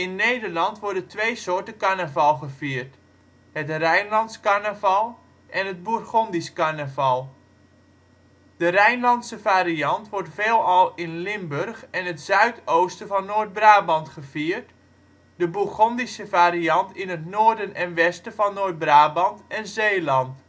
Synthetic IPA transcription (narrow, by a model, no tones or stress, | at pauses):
ɪnːejdərlɑntʋɔɹdəntʋejsoːɹtəkaɹnəvɑlˠχəviːrt | hətrɛjnlɑntskarnəvɑlˠ | ʔɛnɦəd̚burχɔndiskaɹnəvɑlˠ | dərɛjnlɑntsəvaːɾiɑntʋɔrtfeːlˠɑlˠɪnlɪmbørχɛnɦətsœɥtowstəvɑnːoːd̚braːbɑntχəviːərt | dəbuχɔndisəvaːɾiɑntɪnətnoːrdənɛnʋɛstəvɑnːoːt̚braːbɑntɛnzeːlɑnt